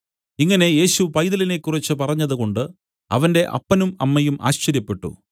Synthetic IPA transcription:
iŋːɐne̞je̞ːɕupɐjðɐline̞kːurit͡ɕːɨpɐrɐɲːɐðuko̞ɳɖɨ | ɐ̰ʋɐnde̞ʔɐ̰pːɐnumɐmːɐjumʔa̰ːɕt͡ɕɐɾjɐpːe̞ʈːṵ

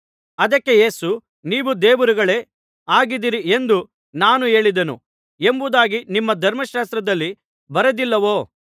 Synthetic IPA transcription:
ɐd̪ɐkːe̞je̞ːsu | niːʋud̪eːʋuɾiɡɐɭe̞ː | aːɡid̪iɾiʔe̞nd̪u | naːnue̞ːɭid̪ɐnṵ | e̞mbud̪aːɡinimːɐd̪ʱɐɾmɐʃaːst̪ɾɐd̪ɐlːi | bɐɾɐd̪ilːɐʋo̞ː

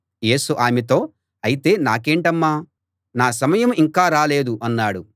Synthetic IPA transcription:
je̞ːsuʔaːmet̪̬o̞ː | ɐjit̪e̞ːnaːke̞ːɳʈɐmːaː | naːs̬ɐmɐjɐmiŋkaːɾaːle̞ːd̪uʔɐnːaːɽu

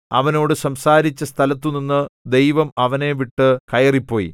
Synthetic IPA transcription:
ɐ̰ʋɐno̞ːɽɨsɐmsaːɾit͡ɕːɐst̪ʰɐlɐt̪ːuninːɨd̪e̞jʋɐmɐʋɐne̞ʋiʈːɨkɐjɐripːo̞ːjḭ

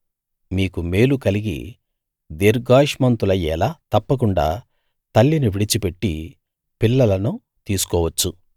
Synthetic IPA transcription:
miːkumeːlukɐliɡḭ | d̪iɾɡaːʂmɐnt̪ulɐjɛːlaːt̪ɐpːɐk̬uɳɖa̰ː | t̪ɐlːiniʋiɽit͡ʃipe̞ʈːi | pilːɐlɐnu | t̪iːsu̥kɔːʋɐt͡ʃːu

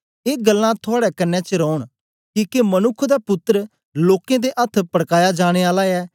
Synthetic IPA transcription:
eːɡəlːãt̪ʰʊaːɽɛkɐnːɛt͡ʃəɾɔːɽ̃ | kiːkemɐnʊkʰːd̪apʊt̪ːəɾ | loːkẽd̪eʔɐt̪ʰpɐɽkaːjad͡ʒaːɽ̃eaːlaɛː

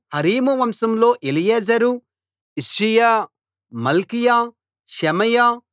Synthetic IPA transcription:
hɐɾiːmuʋɐmsɐmlo̞ːʔelijeːd͡ʒɐɾu | isɾijaː | mɐlkija | ʃɛmɐja

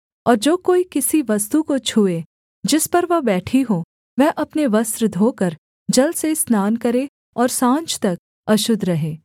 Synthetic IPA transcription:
ɔːɾd͡ʒoːkoːikɪsiʋɐst̪ukot͡ʃʰue | d͡ʒɪspɐɾʋɐbɛːʈʰiɦo | ʋɛɦʔɐpneʋɐst̪ɾd̪ʱoːkɐɾ | d͡ʒɐlsesnaːnkɐɾe | ɔːɾsãːnt͡ʃt̪ɐk̚ | ɐʃʊd̪ʱɾɐɦẽː

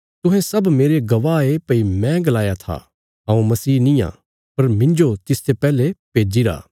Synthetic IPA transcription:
t̪ʊ̃ɦɛ̃sɐbmeːɾeɡɐʋaːepɐimɛ̃ɡɐlaːjat̪ʰa̰ | ɦɐ̃ːũmɐsiːnĩjã̰ː | pɐɾmɪ̃nd͡ʒot̪ɪst̪epɛːlepeːd͡ʒiɾa̰ː

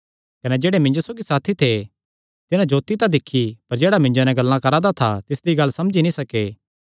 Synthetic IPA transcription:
kɐnɛd͡ʒeːɽemɪ̃ɲd͡ʒosoːɡisaːt̪ʰit̪ʰe | t̪ɪnãd͡ʒoːt̪it̪ãd̪ɪkʰːipɐɾd͡ʒeːɽamɪ̃ɲd͡ʒonɛɡɐlːãkɐɾãd̪at̪ʰa̰t̪ɪsd̪iɡɐlːsɐmd͡ʒinĩsɐkeː

